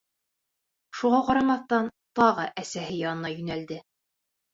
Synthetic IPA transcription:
ʃuʁɑqɑɾɑmɑθt̪ɑnt̪ɑʁɤʔæsæɦɘjɑnɤ̆nɑjɵ̆næld̪ɘ

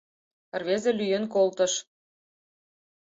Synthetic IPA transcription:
rβezĕlyjə̆nkolt̪ə̆ʃ

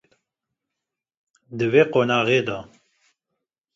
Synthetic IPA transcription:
d̪əveːqonɑːʁeːd̪ɑ

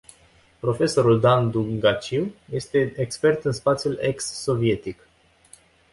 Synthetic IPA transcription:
pɾo̞fe̞so̞ɾuld̪and̪uŋɡat͡ʃiwje̞st̪e̞ekspe̞rt̪ɨnspat̪sjule̞ksːo̞vie̞t̪ik

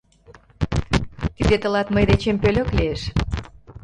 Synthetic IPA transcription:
kizet̪ə̆lɑt̪məjd̪et͡ɕempølʲøkleeʃ

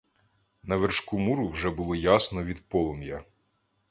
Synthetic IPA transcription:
nɐʋerʃkumuɾʊwʒɛbʊlˠɔjasnɔʋʲid̪pɔlˠɔmjɐ

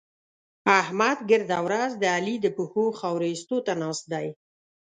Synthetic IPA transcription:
ahmad̪ɡəɾd̪awɾazd̪əalid̪əpuhoxawɾest̪ot̪anɑst̪̚d̪aj

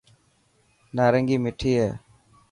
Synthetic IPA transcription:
naːɾəŋɡiːmɪʈʰiːɦeː

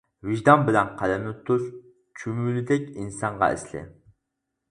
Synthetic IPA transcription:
viʒd̪ɑnbɪlɛnqʰælɛmɪt̪ʰːuz | t͡ʃʰymylɪd̪ɛkʲinsɑɴʁɑ̰ɪ̰slɪ̰

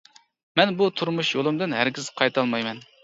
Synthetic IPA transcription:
mɛnbut̪ʰuɾmuʃjolˠɨmd̪ɨnɦæɾɡʲizqʰɑjt̪ʰɑlˠmɑjmɛn

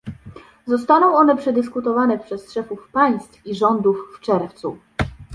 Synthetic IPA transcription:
zɔst̪anɔ̃w̃ɔnɛpʂɛd̪ɘskut̪ɔvanɛpʂɛsʂɛfufpaj̃st̪fiʐɔnd̪ufːt͡ʂɛɾft̪su

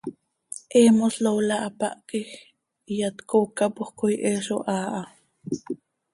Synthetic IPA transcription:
ʔeːmoslowlaʔapa̰ʔkix | ijat̪kokapohkojʔeːʃoʔaːʔa

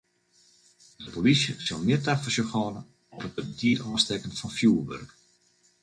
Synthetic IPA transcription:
dəpolisjəsɔlˠmɪətafɔsjoxɔːnə | ɔpət̚bəətiːəɾɔːstɛkənfɔnfjuːʋø̰rk

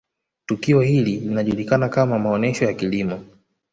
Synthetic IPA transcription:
tukiɔhililinaʄulikanakamamaɔnɛʃɔjakilimɔ

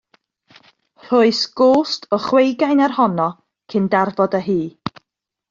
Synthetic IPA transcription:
r̥ʊɨsɡ̥oːstʰɔχwejɡajnarhɔnɔ | kʰɨndarvɔdəɦiː

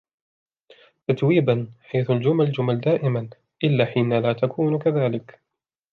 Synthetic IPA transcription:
t̪at̪wiːbanħajθʊld͡ʒʊmald͡ʒʊmald̪aːʔɪman | ʔɪlːaːħiːnalaːt̪akʰuːnkaðaːlɪk

